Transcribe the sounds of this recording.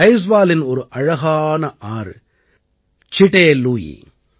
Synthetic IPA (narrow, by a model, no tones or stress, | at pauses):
ɐɪs̬ʋaːlɪnɔɾɯʔɐɻɐɣaːnɐʔaːɾ | t͡ʃɪʈeːluːjḭ